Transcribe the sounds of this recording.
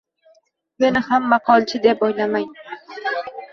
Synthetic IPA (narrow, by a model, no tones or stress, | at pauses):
me̞nɪhamːɑqʰɒlˠt͡ʃʰɪd̪epojlamaŋ